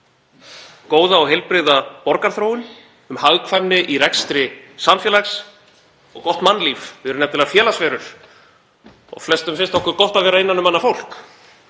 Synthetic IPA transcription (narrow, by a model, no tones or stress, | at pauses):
koːwðaɔɣɦejlpɾɪɣðapɔɾkaɾ̥θɾowʏn | ʏmhaɣkʰvamnɪʔirɛkst̪ɾɪsamfjɛːlaxs | ɔ̰ɣkɔht̪manːliːfɪɾʏɾnɛmnt̪ɪlɛafjɛːlasvɛːɾʏɾ̥ | ɔ̰ɣflɛst̪ʏmfɪnst̪ɔhkʏɾkɔht̪aðvɛːɾaɪnːanʏmanːafowl̥k